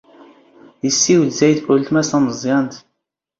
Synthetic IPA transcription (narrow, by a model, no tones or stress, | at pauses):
jəsːiwd̪zæjd̪ʔʊlt̪mæsæmzˤjɑnt̪